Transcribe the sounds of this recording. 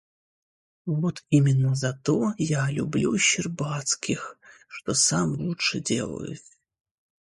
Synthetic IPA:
vot̪imʲɪnːəzɐt̪ojalʲʊblʲuɕːɪrbat̪skʲɪxʂt̪osamlˠutʂɨdʲe̞̰lˠə̰jʊ̰t̪ʲ

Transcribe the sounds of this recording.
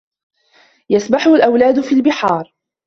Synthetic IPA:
jasbaħʊhlʔawlaːd̪ʊfiːlbɪħɑːɾˤ

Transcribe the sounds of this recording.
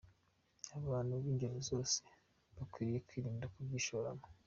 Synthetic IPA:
aβaːnuβiːɲɟeɾozo̞ːse̥ | βakwiːɾije̞kwiːɾiːndakubɡiʃoɾa̰mo

